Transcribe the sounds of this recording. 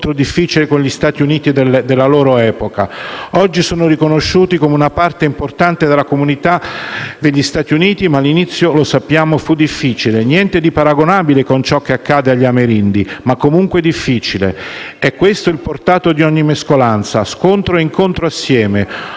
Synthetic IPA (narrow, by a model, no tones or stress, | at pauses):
t̪ɾod̪ifːit͡ʃilekonʎist̪aːt̪iuniːt̪id̪eld̪elːaloːɾoɛːpokaɔd͡ʒːisoːnorikonoʃːuːt̪ikomeunapart̪eimport̪ant̪ed̪elakomunit̪ad̪eʎːist̪aːt̪iuniːt̪imaːlːinit̪sːjolosapːjaːmofud̪ːifːiːt͡ʃilenjɛnt̪ed̪ipaɾaɡonaːbilekont͡ʃɔkːeakːaːd̪eaʎːameɾind̪imakːomuŋkwed̪ifːiːt͡ʃilḛɛkːwest̪oilport̪aːt̪od̪iɔɲːimeskolant̪saskont̪ɾoeiŋkont̪ɾoasːjɛːme